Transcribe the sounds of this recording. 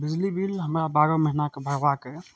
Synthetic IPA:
bɪd͡ʒlibiːlɦəmɾabaːɾoməɦinakebʱəɾʋakəe

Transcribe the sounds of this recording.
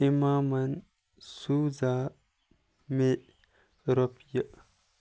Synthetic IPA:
imaːmɐn | suːza | me | ɾopjə

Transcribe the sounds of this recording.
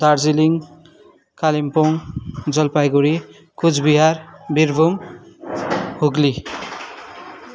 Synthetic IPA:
d̪ard͡ziliŋ | kalimpoŋd͡zʌlpajɡuɾi | kud͡zʰbiɦarbirbʱum | huɡli

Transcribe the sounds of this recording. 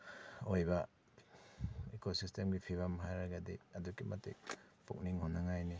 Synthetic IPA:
ojba | ekosistemɡipʰiβamɦajɾaɡadiadukimatḛk̚pṵk̚niŋhɔnːaŋajni

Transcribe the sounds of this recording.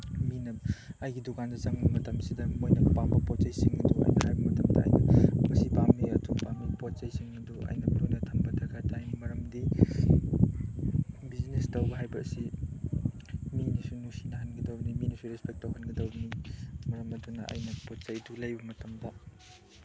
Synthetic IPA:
minɐɐjɡidukandɐt͡ʃɐŋbɐmɐtɐmsidɐmojnɐpambɐpɔt̚t͡ʃɐjsiŋɐduɐ̰jnɐhajbɐmɐtɐmdɐ̰ɐ̰jnɐmɐsipamːiɐtʰupamːipot̚t͡ʃɐjsiŋɡɐduʔɐ̰jnɐbɐɾonɐtʰɐmbɐtʰɐɡɐtajnimɐɾɐmdi | biznestɐwbɐɦajbɐsi | minisunusinɐɦɐnɡɐdɐwbniminisuɾespek̚tɐwɦɐnɡɐdɐwbnimɐɾɐmɐdunɐ̰ʔɐ̰jnɐpott͡ʃɐjdulɐjbɐmɐtɐmdɐ

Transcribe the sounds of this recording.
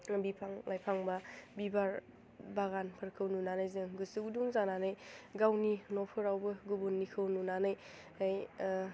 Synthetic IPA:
ɾɐmbipʰaŋlajpʰaŋbɐbibaɾ | baɡanpʰɐɾkʰɯwnunanajzɯŋɡɯsɯɡuduŋzananɯjɡawninopʰɯɾawbɐɡubunːikʰɯwnunanɯj | aj

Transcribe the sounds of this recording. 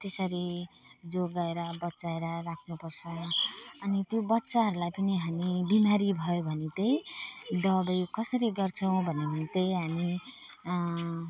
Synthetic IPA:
t̪esʌɾi | d͡zoɡaeɾʌbʌtːsaeɾʌrakʰnupʌrsʰʌː | nit̪jobʌtːsaɦʌɾulajpʌniɦamibimaɾibʱʌjobʱʌnet̪ejd̪ʌbajkʌsʌɾiɡʌrt͡sʰʌw̃bʱʌneɦʌt̪ejɦami

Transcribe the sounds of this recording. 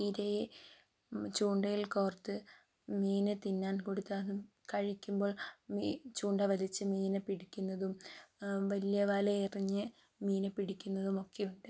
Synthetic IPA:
iɾeje | t͡ɕuːɳɖɐjilkoːrt̪ːɨ | miːnɨt̪inːaːnkoɽut̪ːaɐðɨ | kɐɻikʲːumbo̞ːɭmit͡ɕuːɳɖɐʋɐlit͡ɕːɨmiːnɨpiɽikʲːunːɐðum | ʋɐlijɐʋaːleiriɲːɨ | miːnɨpiɽikʲːunːɐðumo̞kːejuɳɖɨ

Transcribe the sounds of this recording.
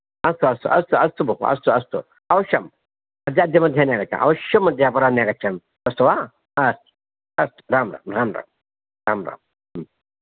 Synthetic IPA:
ɐst̪uɐst̪ṵʔɐst̪uɐst̪ubʱukṵɐ̰st̪uɐst̪ṵ | ɐʋʃɐm | ɐd̪ʲiɐd̪ʱjɐmɐd̪ʱjaneːɡɐt͡ʃʰa̰nʔɐ̰wʃɐmːɐd̪ʱjaːpɐɾaːneːɡɐt͡ʃʰɐn | t̪ɐst̪uʋa | ɐst̪u̥ | ɐst̪u̥ɾaːmɾa̰ːmɾaːmɾa̰ːm | ɾaːmɾa̰ːm

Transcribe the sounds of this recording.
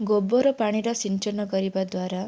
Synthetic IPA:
ɡobɔɾɔpaɽ̃iɾʌsint͡ʃɔnɔɡɔɾibad̪waɾa

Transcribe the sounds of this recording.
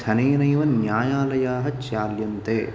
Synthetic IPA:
t̪ʰɐneːnɐjʋɐnjaːjaːlɐjaːɦɐt͡ʃaːljɐnt̪eː

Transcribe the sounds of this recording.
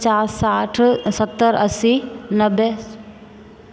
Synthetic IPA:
t͡ʃaːɾsaːʈʰsət̪ːəɾəsinəbe

